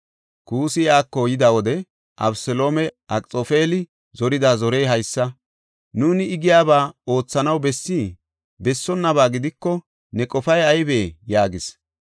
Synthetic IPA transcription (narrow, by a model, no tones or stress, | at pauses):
kuːsɪjaːkːojɪd̪awɔd̪ɛ | ʔɐ̰bsɛlo̞ːmɛʔɐkʼt͡sʼofe̞ːlɪ | zɔɾɪd̪aːzɔɾejɦɐjsːɐ | nuːnɪːɡɪjaːbaːo̞ːt͡sːɐnɐwbɛsːiː | bɛsːɔnːɐβaːɡɪd̪ɪkːɔ | nɛkʼɔfɐjɐjbeːjaːɡɪs